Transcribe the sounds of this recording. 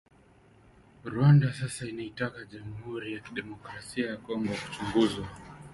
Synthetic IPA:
ɾwandasasainaitakaʄamuhuɾijakiɗɛmɔkɾasiajakɔŋɡɔku̥t͡ʃuŋɡuzwa

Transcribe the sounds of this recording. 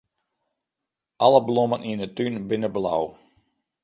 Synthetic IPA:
ʔɑləblɔmənʔinətynbɪnəbla̰w

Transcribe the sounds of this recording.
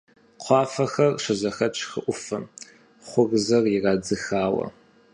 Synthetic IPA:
qʷʰɑːfɐxɐrʂʷɐzɐxɐt͡ʃʼʰxɨʔʷʊfɐ | χʷʊrzɐrjɪraːd͡zɨxaːwɐ̰

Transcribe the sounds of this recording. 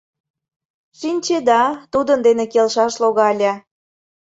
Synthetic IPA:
ʃinʲt͡ɕed̪ɑt̪ud̪ənd̪enekelʃɑʃloɣɑlʲɑ

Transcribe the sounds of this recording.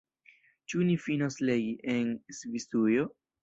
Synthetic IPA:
t͡ʃunifinoslejiʔensvist̪ujo

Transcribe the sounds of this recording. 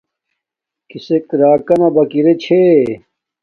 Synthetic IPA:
kisekɾaːkɐnɐbɐkiɾet͡ɕʰe

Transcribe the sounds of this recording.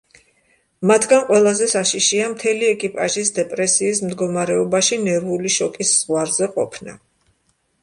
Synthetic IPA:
mat̪ʰɡanqʼwɛlˠazɛsaʃiʃiamt̪ʰɛliɛkʼipʼaʒisd̪ɛpʼɾɛsiːsmd̪ɡɔmaɾɛɔbaʃinɛɾuliʃɔkʼisz̥ʁwaɾzɛqʼɔpʰna̰

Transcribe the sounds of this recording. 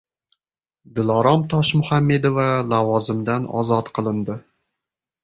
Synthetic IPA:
d̪ɪlˠɒɾɒmt̪ʰɒʃmʊhamːe̞d̪ovalavɒzɪmd̪anɒ̰zɒt̪qʰɨlˠɪnd̪ɪ

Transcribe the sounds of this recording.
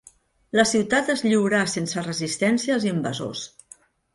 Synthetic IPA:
ləsiwt̪at̪əzʎiwɾasensərəzist̪ɛnsiəziəmbə̰zo̰s

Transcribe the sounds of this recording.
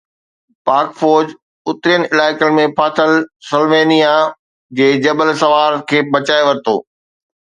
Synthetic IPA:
paːɾkfɔːɾd͡ʑ | ʊt̪ɾijənɪɪlaːɪkəlmẽpʰaːt̪ʰəlsəlʋeːnija | d͡ʑeːd͡ʑɐbəlsɐʋaːɾkʰeːbɐt͡ɕaːeʋɐɾɪt̪o̰ː

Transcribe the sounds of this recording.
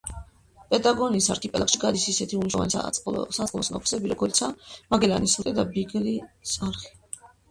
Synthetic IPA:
pʼɛt̪ʼaɡɔniːsa̰ɾk̪ʰipʼɛkʃiɡad̪isisɛt̪ʰiuniʃlɔva̰nisasʼqʼlˠɔsna̰pʰu̥sɛbiɾɔɡɔlt̪sʰamaɡɛlanisut̪ʼɛd̪abiɡlisaɾχi̥

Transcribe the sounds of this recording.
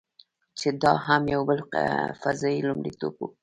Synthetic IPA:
t͡ʃed̪ɑɦamjawbəlfazɑjilʊmɽit̪obwu

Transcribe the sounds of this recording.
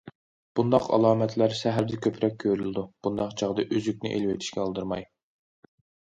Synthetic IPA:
b̥und̪ɑqʰɑ̰lˠɑːmɛt̪ʰlæɾsæɦæɾd̪ɛkʲʰøpʰɾɛk̚ʲʰːøɾyld̪ub̥und̪ɑqt͡ʃʰɑʁd̪ɨʔyzykʲnɪ̰ʔḛlwet̪ʰiʃkʲɛɑlˠd̪ɨɾmɑj

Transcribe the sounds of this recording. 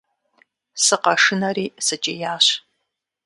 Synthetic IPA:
sɨqɐʂɨnɐɾiːsɐt͡ʃʼejaːɕ

